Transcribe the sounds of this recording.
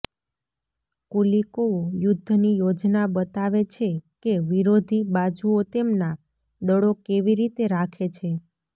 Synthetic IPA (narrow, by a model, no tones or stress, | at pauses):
kulikoojʊd̪ʱːnijod͡ʒnabət̪aʋet͡ʃʰekeʋiɾod̪ʱibad͡ʒuot̪emna | d̪əɽokeʋiɾit̪eɾakʰet͡ʃʰe